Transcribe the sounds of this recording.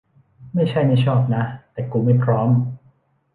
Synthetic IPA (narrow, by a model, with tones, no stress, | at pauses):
ma˥˩jt͡ɕʰa˥˩jna˥˩jt͡ɕʰɔː˥˩p̚na˦˥t̪ɛː˨˩kuː˨˩ma˥˩jpʰɾɔː˦˥m